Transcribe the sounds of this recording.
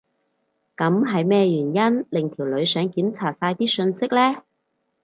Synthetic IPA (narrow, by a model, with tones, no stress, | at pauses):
kɐ˨˧˥mɦɐ˨jmɛː˥˧jyː˨˩njɐ˥nlɪ˨˩ŋt̪ʰiː˨˩wlɵ˨˧ɥsœː˨˧˥ŋkiː˨˥nt͡sʰaː˨˩t̚saː˧jt̪iː˥sɵ˧nsɪ˥k̚lɛː˥